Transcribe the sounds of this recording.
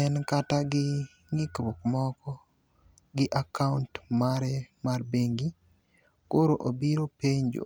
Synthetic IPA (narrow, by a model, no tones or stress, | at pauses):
ɛnkataɡɪ | ŋɪkɾokmɔkɔ | ɡɪʔakauntmaɾɛmarbeŋɡi | koɾoʔobiɾopeɲd͡ʒo̰